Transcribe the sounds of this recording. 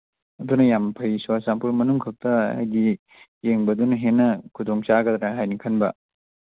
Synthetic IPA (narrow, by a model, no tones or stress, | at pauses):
ɐdunɐjampʰɐjsuasampuɾmɐnuŋkʰɐk̚tɐha̰jɡi | jeŋbɐdunɐɦenːɐkʰudoŋt͡ʃaɡɐdɾaɦajnikʰɐnbɐ̰